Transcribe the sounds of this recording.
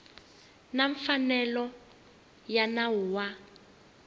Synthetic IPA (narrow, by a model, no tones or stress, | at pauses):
naɱfanɛlɔ | janauwa